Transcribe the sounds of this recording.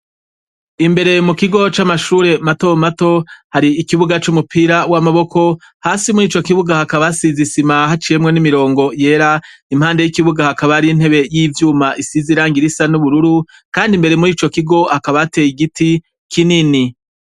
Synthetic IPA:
imbe̞ɾe̞mukiɡo̞t͡ʃamaʃuːɾe̞mato̞mato̞haɾiːkiβuɡat͡ʃumupʰiɾawamaβo̞ko̞ | haːsimuɾiːt͡ʃokiβuɡahakaβasizisimahat͡ʃije̞mŋe̞nimiɾo̞ːŋɡo̞je̞ːɾaim̥haːnde̞jikiβuɡahakaβaɾin̥he̞βe̞jiːvjuːmaʔisiziɾaːŋɡiɾisanuβuɾuɾu | kaːndimbe̞ɾe̞muɾiːt͡ʃo̞kiɡo̞hakaβate̞ːjiɡiti | kʰinini

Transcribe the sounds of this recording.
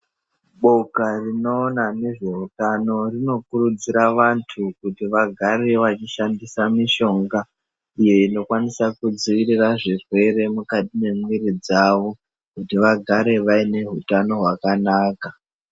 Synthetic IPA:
ɓo̞karino̞ːnane̞ʐe̞utano̞rino̞kurud͡ziɾaʋantʰukutiʋaɡʱaɾe̞ʋat͡ʃiʃandisamiʃo̞ŋɡa | ije̞ino̞kwanisakud͡ziʋiriraʐirwe̞re̞mukatime̞mwiɾid͡zaʋo̞ | kutiʋaɡʱaɾe̞ʋaine̞ɦutano̞ɦwakanaːka

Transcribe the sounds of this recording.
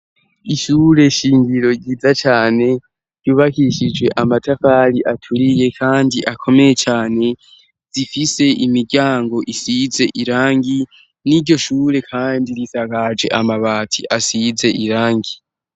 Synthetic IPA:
iʃuːɾe̞ʃiːŋɡiɾo̞ɟiːzat͡ʃaːne̞ | ɟ̥uːβakiʃid͡ʒɡwe̞ʔamatʰafaɾiʔatʰuɾije̞kʰaːndiʔakʰo̞me̞je̞t͡ʃaːne̞ | z̥ifise̞ʔimiɟaːŋɡo̞ʔisize̞ʔiɾaːŋɡi | niɾɟo̞ʃuːɾe̞kʰaːndiɾisakad͡ʒe̞̰ʔamaβaːtʰḭʔasize̞ʔiɾaːŋɡi

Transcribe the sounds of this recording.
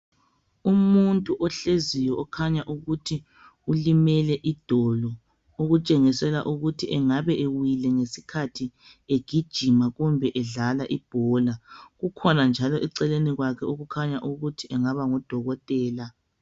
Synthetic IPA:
umuntʼuʔɔɬezijɔɔkʰaɲaʔuɣutʰi | ulimɛlɛʔid̥ʱɔlɔ | oɣut͡ʃʼɛŋisɛla̰ʔuɣutʰiʔɛŋaβɛʔewilɛŋesi̥kʰatʰi | eɡ̥ʱid̥ʒ̥ʱimaɣumbʱɛʔɛɮalaʔib̥ʱɔlaɣukʰɔnand͡ʒʱalɔʔiǀɛleniɣwakʰɛoɣukʰaɲaʔuɣutʰiʔɛŋaβaŋɔd̥ʱɔɣɔtʼɛːla

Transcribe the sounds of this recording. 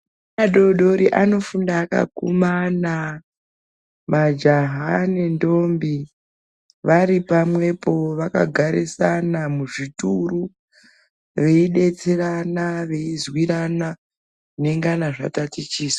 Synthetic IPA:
aɗo̞ɗo̞ɾiʔano̞fundaːka̰kumana | mad͡ʒaɦane̞ndombi | ʋaɾipamwe̞po̞ʋaka̰ɡʱaɾisanamuʐituru | ʋe̞iɗe̞t͡se̞ranaʋe̞izwiɾana | une̞ŋɡanaʐa̰tatit͡ʃiːsa

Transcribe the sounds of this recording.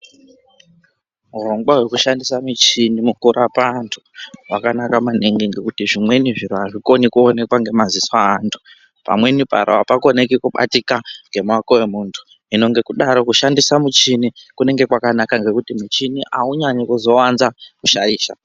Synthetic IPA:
muro̞ŋɡwaɦwe̞kuʃandisamit͡ʃinimukuɾʔapantʰu̥wakanakamaneŋɡiŋɡekutiʐimwe̞niʐiɾuaʐiko̞nikuone̞kwaŋɡe̞maziswaːntʰu̥ | pa̰mwe̞nipa̰ɾoapakonekikuɓa̰tikaŋɡe̞mwakowe̞muːntʰu̥ | ino̞ŋɡe̞kuɗaɾo̞kuʃandisamut͡ʃinikune̞ŋɡe̞kwakanakaŋɡe̞kutimut͡ʃiniʔauɲaɲokuzo̞wanzakuʃaɾiːʃa̰

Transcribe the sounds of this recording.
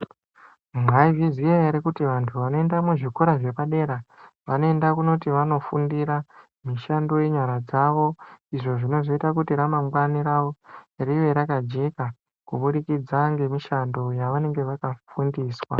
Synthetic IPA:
mwaivizijajaɾikutiʋantʰuʋano̞endamuʐikoɾaʐe̞paɗe̞ɾaʋano̞e̞ndakuno̞tiʋano̞fundiɾa | miʃando̞je̞ɲwaɾad͡zaʋo̞iʐo̞ʐino̞ʐo̞itakutiɾamaŋɡwaniɾaʋo̞riʋe̞ɾakad͡ʒe̞ka | kuɓuɗikid͡zaŋɡe̞miʃando̞jaʋane̞ŋɡe̞ʋakafundiːswa̰

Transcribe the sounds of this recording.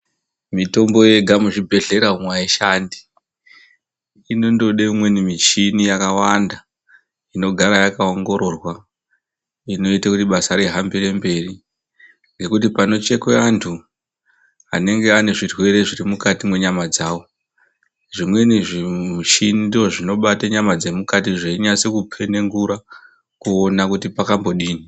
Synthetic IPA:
mito̞mbo̞je̞ɡʱamuʐibʱe̞ɮe̞ɾaumwaeʃandi | ino̞ndoɗeimwe̞nimit͡ʃinijakawanda | ino̞ɡʱaɾajakaoŋɡo̞ɾo̞rwa | ino̞itakutiɓasaɾeɦambire̞mbe̞ri | ŋɡe̞kutipano̞t͡ʃe̞kweantʰu | a̰ne̞ŋɡe̞ane̞ʐirwe̞ɾe̞ʐirimukatimwe̞ɲamad͡zaːwo̞ | ʐimwe̞niʐimut͡ʃinidiʐoʐino̞ɓataɲamad͡ze̞mukatiʐeiɲat͡sekupʰe̞ne̞ŋɡuɾa | kuonakutipakambo̞ɗiːni

